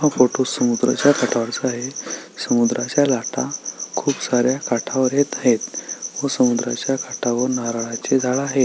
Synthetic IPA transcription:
ɦãfoʈosːəmud̪ɾə̰t͡ɕjakaʈʰaʋəɾt͡səaɦesəmud̪ɾʔat͡ɕjalaʈa̰kʰuːpsaɾjakaʈʰaʋəɾjet̪aɦet̪ʋəsəmud̪ɾat͡ɕjakaʈʰaʋəɾnaɾaɭat͡ɕed͡zʱaɭaɦe

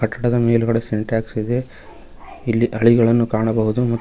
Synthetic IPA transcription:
kɐʈːɐɽɐd̪ɐmeːluɡɐɽeseɳʈjaːksid̪e̞ | ilːiʔɐɭiɡɐɭɐnːukaːɳɐbɐɦud̪umɐt̪ː

